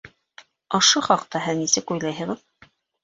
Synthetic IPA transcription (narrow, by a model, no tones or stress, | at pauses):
ŏʃoχɑqt̪ɑɦɘðnisɘkujlˠɑjɦɤ̆ʁɤð